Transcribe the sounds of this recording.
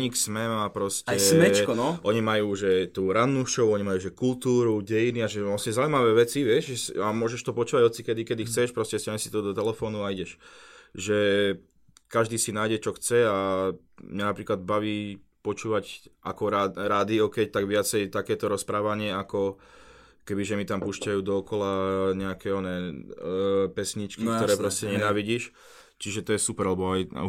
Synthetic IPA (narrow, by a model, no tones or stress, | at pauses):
ɲiksmɛmaːpɾɔscɛɛt͡ʃkɔnɔʔɔɲimajuːʒɛt̪uːɾanːuʃɔʊɔɲimajuːʒɛkult̪uːɾuɟɛjiniaʒɛɔsɛzauimaʋɛːʋɛt͡siʋɪɛʃɛsamʊɔʒɛʃt̪ɔpɔt͡ʃuːʋaɟɔt͡sikɛd̪ikɛd̪ixt͡sɛʃpɾɔscɛscaɲɛsi̥t̪ɔd̪ɔt̪ɛlɛfɔːnuaiɟɛʃʒɛ | kaʒd̪iːsinaːjɟɛt͡ʃɔxt͡sɛa | mɲanapɾiːklad̪baʋiː | pɔt͡ʃuːʋacakɔɾaɾad̪iɔkɛjt̪aɡʋɪat͡sɛjt̪akɛːt̪ɔɾɔspɾaːʋaɲɪɛakɔ | kɛbiʒɛmit̪ampuːʃcajuːd̪ɔɔkɔlaɲɛakɛɔnɛː | pɛsɲit͡ʃkikt̪ɔɾɛɛːpɾɔscɛɲɛnaːʋiɟiʃ | t͡ʃiʒɛt̪ɔjɛsupɛɾalɛbɔaj